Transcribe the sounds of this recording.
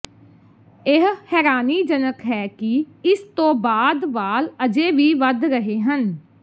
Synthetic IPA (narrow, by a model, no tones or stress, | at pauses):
ɪɦhɛːɾaːniːd͡ʒənəkɦɛːkɪ | ɪst̪õːbaːd̪ʋaːləd͡ʒeːʋiːʋəd̪ɾəɦeːɦən